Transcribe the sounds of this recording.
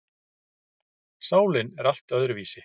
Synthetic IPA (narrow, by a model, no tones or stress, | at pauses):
saːwlɪnɛɾal̥t̪œðɾʏviːsɪ